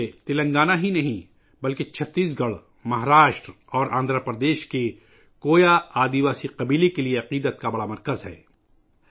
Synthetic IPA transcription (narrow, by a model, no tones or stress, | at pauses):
et̪ɪlə̃ŋɡaːnaɦinɐɦĩ | bɐlket͡ʃʰɐt̪ːiːs̬ɡɐɭ | mɐɦɾaːʃʈɾ | ɔːɾʔãːnd̪ɾəpɾəd̪eːʃke | koːjaaːd̪iʋaːsiqɐbiːlekelieɐqiːd̪ət̪kabɐɽamɐɾkəzɦɛ̰ː